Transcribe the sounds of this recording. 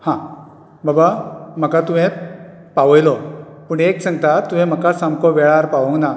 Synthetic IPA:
hã | babam̤əkat̪umɛ̃ | paʋəjlɔpuɳeksəŋɡ̚t̪at̪um̤ɛ̃m̤əkasamkɔʋɛɭaɾpaʋəŋɡna

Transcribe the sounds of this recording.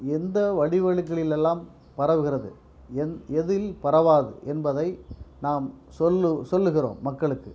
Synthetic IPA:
ɛnd̪ɐʋɐɽɪʋɐɻɯk̬ːɐɭɪlɛlːaːm | pɐɾɐʋɯɣɪrɐðɯ̰ | ɛnɛðɪlpɐɾɐʋaːðɯ̰ʔɛnbɐðɐɪnaːm | sɔlːɯsɔlːɯɣɪro̰ːmːɐkːɐɭɯkːɯ

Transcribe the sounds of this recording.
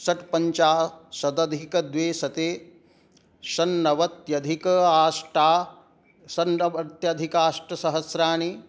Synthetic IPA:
sɐʈpɐɲt͡ʃaːsɐd̪ɐd̪ʱikɐd̪ʋeːsɐt̪eː | ʃɐnːɐʋɐt̪jɐd̪ʱikɐaːsʈaː | sɐnɐbɐt̪jɐd̪ʱikaːʂʈɐsɐɦɐsɾaːɳi

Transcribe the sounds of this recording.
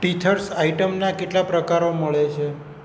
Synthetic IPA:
ʈitʰəɾsaiʈəmnakeʈlapɾəkaɾoməɭet͡ʃʰe

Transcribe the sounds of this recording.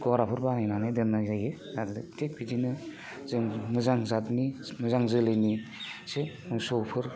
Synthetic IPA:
ɡɔɾapʰɯɾbanajnanedɯnːazaje | zadɯtʰek̚bidinɯ | zɯmɯzaŋzatnimɯzaŋzɯlɯjnisemɯsɔwpʰɯɾ

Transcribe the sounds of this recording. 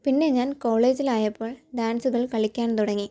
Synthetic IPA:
pinːe̞ɲaːnko̞ːɭe̞ːd͡ʑilaːjɐpːo̞ːɭɖaːnsuɣɐɭkɐɭikʲːaːnt̪uɽɐŋːi

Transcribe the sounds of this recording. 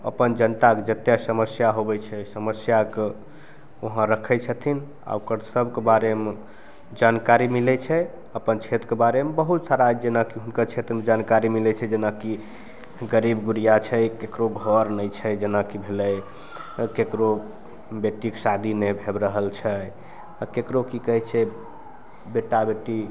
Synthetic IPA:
ə̰pənd͡ʒənt̪aked͡ʒət̪jɛsəməsjaɦobɛt͡ʃʰɛsəməsjake | oɦãɾəkʰət͡ʃʰət̪ʰin | a̰ukəɾsəbkebaɾeme | d͡ʒankaɾimilɛt͡ʃʰɛ | əpənt͡ʃʰet̪ɾkebaɾemebəɦut̪saɾad͡ʒenakiɦunkəɾt͡ʃʰet̪ɾəmed͡ʒankaɾimilɛt͡ʃʰɛd͡ʒenaki | ɡəɾibɡuɾijat͡ʃʰɛkekɾoɡʱɔɾnəjt͡ʃʰɛd͡ʒenakibʱelɛj | kekɾo | beʈiksad̪ʱinɛbʱebɾəɦəlt͡ʃʰɛ | akekɾokikəɦɛt͡ʃʰɛ | beʈabeʈi

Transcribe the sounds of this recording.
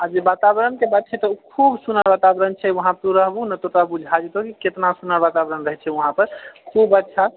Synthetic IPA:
ad͡ʒebat̪abɾənkebad̪̚t͡ʃʰɛt̪ɔkʰubsunəɾbat̪abɾənt͡ʃʰɛwəɦãpɾuɾəɦbunət̪ot̪ɾabud͡ʒʱad͡ʒet̪ɦokiket̪nasunəɾbat̪abɾənɾəɦɛt͡ʃʰɛwəɦãpəɾkʰubət̪ːt͡ʃʰa

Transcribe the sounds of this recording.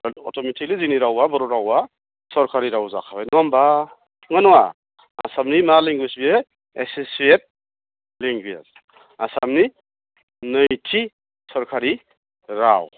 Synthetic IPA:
ɔ̰tʰɔmitʰikliziniɾawabɔɾɔɾawa | sɔɾkʰaɾiɾawza̰kʰabajnɔmba | ŋənɔwa̰ | a̰samnimaliŋɡwisbie | esiset̚ | liŋɡia̰z | asamni | nɯjtʰi | sɔɾkʰaɾi | ɾa̰w

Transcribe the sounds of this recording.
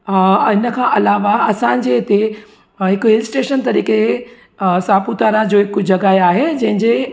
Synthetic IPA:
ɦɪnə̆kʰãːʔɐlaːʋaɐsãd͡ʑeɪt̪e | ɦɪkɦɪlsʈeːʃənt̪ɐɾiːke | sãːput̪aːɾad͡ʑoːɦɪkd͡ʑɐɡaːeaːɦed͡ʑɐ̃ɦɪ̃ɲd͡ʑe

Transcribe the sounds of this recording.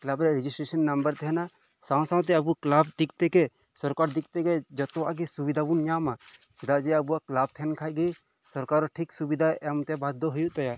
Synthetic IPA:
klabɾɛɾɛd͡ʒisʈɾesɐnːɐmbəɾt̪ɛɦɛna | sãw̃sãw̃t̪̬ɛɐbuklab̚d̪ik̚t̪ɛkɛ | sɔɾkaɾd̪ikt̪ɛkɛd͡ʒɔt̪ɔa̰ɡisubid̪ʱabunɲama | d͡ʒɛd̪ad͡ʒɛɐbuaklab̚t̪ʰɛnkʰaɡi | sɔɾkaɾɔʈʰiksubid̪ʱaɛmt̪ɛbad̪ɔɦujuʔt̪ɛja

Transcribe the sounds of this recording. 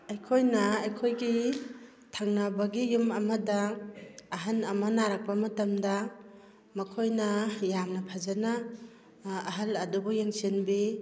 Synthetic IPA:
ɐjkʰojnɐɐjkʰojɡi | tʰaŋnɐbɐɡijumɐmɐdaː | ɦanɐmɐnaɾak̚pɐmɐtɐmdɐ | mɐkʰojnɐjamnɐpʰazana | ɐɦalɐdubujeŋsinbi

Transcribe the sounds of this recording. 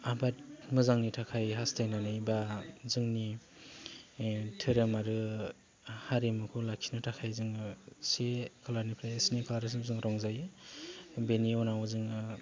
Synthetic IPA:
abat̚mɯzaŋnitʰakʰajɦastajnanɯjbazɯŋni | tʰɯɾamaɾɯ | haɾemɯkʰulakʰinɯtʰakʰajzɯŋsekʰalaɾnipʰɾajesnikʰalaɾas̬ɯmzɯŋɾɔŋzaj | beniɔnawzɯŋ

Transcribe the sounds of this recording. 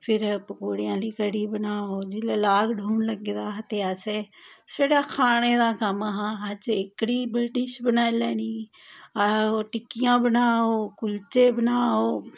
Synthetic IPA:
pʰɪɾpəkoːɽɪjãːliːkəɽiːbənaːɦod͡ʒɪlelaːɡɖʱuːnləɡed̪aːɦət̪ejaːseːsəɽaːkʰaːɽ̃eːd̪ãːkəmaɦãɦəd͡ʒekɽiːbəɖɪʃbənaːelɛːniː | aoʈɪkɪjãːbənaːɦoːkʊlt͡ʃeːbənaːɦoː

